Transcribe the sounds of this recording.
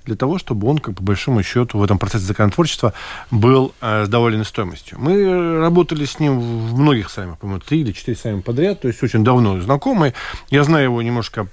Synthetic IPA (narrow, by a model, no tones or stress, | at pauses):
d̪lʲət̪ɐvo̞ʂt̪o̞bɨo̞nkakpəbɐlʲʂo̞mʊɕːo̞t̪ʊvɛt̪əmpɾɐt̪sɛs̬ʲɪzəkənɐt̪vo̞rt͡ɕɪ̥st̪vəbɨlˠəzd̪ɐvolʲɪnəst̪o̞jɪmə̰sʲtʲjʊ̰mɨrɐbo̞t̪əlʲɪsʲnʲimvmno̞ɡʲɪxsamɨxpɐmʲomʊt̪ɾʲiɪlʲɪt͡ɕɪ̥t̪iɾʲɪsamʲɪpɐd̪ɾʲat̪̚ːo̞ɪsʲo̞t͡ɕɪnʲd̪ɐvno̞znɐko̞mɨjjaznajʊjɪvo̞nʲɪmnoʂkə